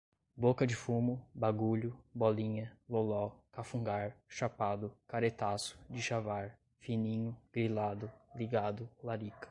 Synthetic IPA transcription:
bokɐd͡ʒɪfũmʊbaɡuʎʊbɔlĩɲɐlolɔkafũŋɡaɾʃapad̪ʊkaɾet̪asʊ̥d͡ʒɪʃavaɾ | finĩɲʊɡ̥ɾilad̪ʊliɡad̪ʊlaɾikɐ̥

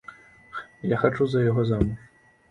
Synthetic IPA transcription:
jaxat͡ʂuzɐjaɣɔzamuk

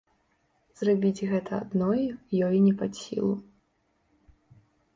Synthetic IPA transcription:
z̥rabʲid͡zʲɣɛt̪ʰɐa̰d̪nɔjjɔjinʲɛpasʲḭlˠu

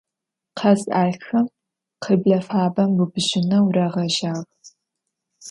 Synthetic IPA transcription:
qʰɐzaːɮxɐm | qʰəbɮɐfaːbɐmbubʑɪnɐwɾɐʁɐʒaːʁ

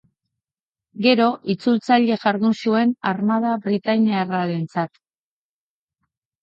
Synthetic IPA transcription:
ɡe̞ɾo̞ʔit͡sult͡saʎe̞ʝaɾðusue̞narmað̞aβɾit̪ajniaraɾe̞nt͡sat̪

